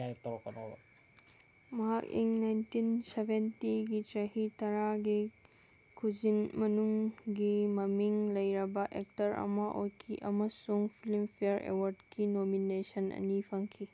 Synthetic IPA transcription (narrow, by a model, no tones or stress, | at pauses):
ajt̪ːɐɾɔkɐno̰bɐ̰ | mɐɦakḭŋnajntinsebʱentiɡitɐhitɐɾaɡi | kʰud͡ʒinmɐnuŋɡimɐmiŋlɐjɾɐbɐʔek̚tɐɾʔɐ̰mɐʔojkʰiʔɐmɐsuŋpʰilimpʰijɐɾḛwɐɾdkinominesɐnʔɐ̰nipʰɐŋkʰi